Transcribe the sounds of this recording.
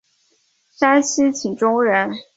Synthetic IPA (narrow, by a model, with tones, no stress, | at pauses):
sa˥nɕ̩˥t͡ɕʰi˨˩ŋʈ͡ʂʊ˥ŋɻə˧˥n